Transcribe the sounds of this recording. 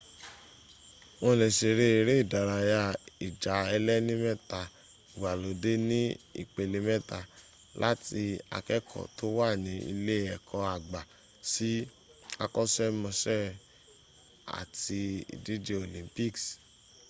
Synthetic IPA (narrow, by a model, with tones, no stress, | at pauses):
wɔ̃˧˨lɛ˨ʃe˨ɾe˦e˨ɾe˦i˦˨da˨ɾa˧ja˧i˨d͡ʒa˨˦ɛ˧lɛ˦nĩ˦mɛ˦˨ta˨ | wa˨lo˨˦de˦nĩ˦ḭ˦˨k͡pe˨le˨˦mɛ˦ta˨ | lʔa˦ti˧a̰˨kɛ˦kʰɔ̰˨to˦wa˦˨nĩ˨˦ḭ˧le˦ɛ˨kʰɔ˧a˨ɡ͡ba˨ | si˨˦ | a˧kɔ˦sɛ˦mɔ̃˧ʃɛ˦ | a̰˨ti˧ḭ˨di˦d͡ʒe˦o˨lĩ˨˦mpi˦˨ks